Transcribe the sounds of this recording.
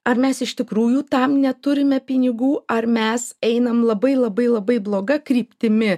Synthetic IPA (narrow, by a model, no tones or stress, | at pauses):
ɐrmʲɛsɪʃt̪ʲɪkɾuːjuːt̪ɐmnʲɛt̪ʊɾʲɪmʲɛpʲɪnʲɪɡuːʔɐrmʲɛsɛɪnɐmlˠɐbɐɪlˠɐbɐɪlˠɐbɐɪblˠoːɡɐkɾʲiːpʲt̪ʲɪmʲɪ